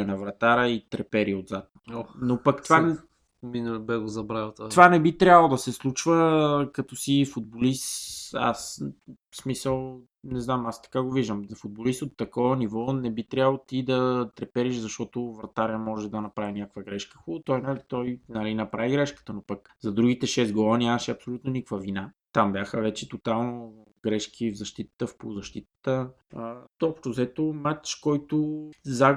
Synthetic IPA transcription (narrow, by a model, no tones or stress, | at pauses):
ənɐvɾɐt̪aɾəit̪ɾɛpɛɾiod̪zat̪̚oonopɐkt̪va | minəbɛɡozɐbɾavɐt̪vanɛbit̪ɾʲjabəlˠod̪ɐsɛslˠut͡ʃvəkɐt̪ɔsifʊd̪̚bolist̪a̰s | smisəlˠ | nɛznamast̪ɐ̥kaɡoviʒd̪əmfʊd̪̚bolist̪ot̪ːɐkɔvənivɔnɛbit̪ɾʲabəlˠot̪id̪ɐt̪ɾɛpɛɾiʃzɐʃt̪ɔt̪ʊvɾɐt̪aɾiəmɔʒɛd̪ɐnɐpɾavinʲakəkvəɡɾɛʃkə̥xulˠot̪ɔjnalit̪ɔjnɐɾinɐpɾaviɡɾɛʃkə̥t̪ənopək | zɐd̪ɾuɡit̪ɛʃɛsɡɔvˠənʲamɐʃɛɐpsolʲut̪nonikəkvəvina | t̪ambʲjaxəvɛt͡ʃɛt̪ot̪alˠno | ɡɾɛʃk̟ʰivzɐʃt̪it̪ə̥t̪əfpozɐʃt̪it̪ə̥t̪ə | t̪ɔpʃt̪ʊzɛt̪omat͡ʃkɔjt̪ʊza